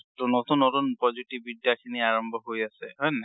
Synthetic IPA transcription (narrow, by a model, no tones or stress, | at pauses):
tunotunːotunpɔzitibidijakʰiniaɹɔmbʱɔɦojasɛɦɔjnɛ